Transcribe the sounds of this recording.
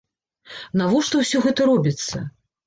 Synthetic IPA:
navɔʂt̪ɔwsʲɔɣɛt̪ɐɾɔbʲit̪sːɐ̰

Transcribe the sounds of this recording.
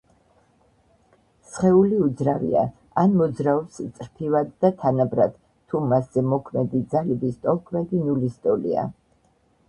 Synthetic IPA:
sχɛuliud̪zɾavḭa̰ | anmɔd̪zɾaɔpst̪sʼɾpʰivad̪ːat̪ʰanabɾad̪̥ | t̪ʰːumasz̥ɛmɔkʰmɛd̪id̪zalibist̪ʼɔlˠkʰmɛd̪inulist̪ʼɔlḭa̰

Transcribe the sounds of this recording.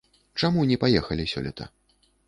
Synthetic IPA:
t͡ʂamunʲɛpajɛxɐlʲisʲɔ̰lʲɛ̰t̪ʰɐ̰

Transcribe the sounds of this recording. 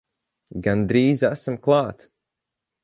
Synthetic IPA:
ɡand̪ɾiːzæsamklˠɑːt̪

